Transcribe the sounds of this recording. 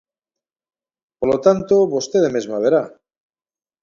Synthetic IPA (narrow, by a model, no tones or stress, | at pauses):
poɾlot̪ant̪oβost̪eðemezmaβeɾa